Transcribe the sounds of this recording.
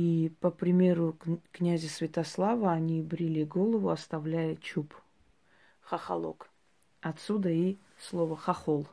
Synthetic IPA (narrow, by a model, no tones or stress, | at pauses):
ipəpɾʲɪmʲe̞ɾʊknʲæzʲəsvʲɪt̪aslˠavəɐnʲibɾʲilʲiɡolˠəvʊɐst̪avlʲæjət͡ɕup | χɐxɐ̰lˠo̰k | ɐt̪sud̪əi | slˠovəχɐχolˠ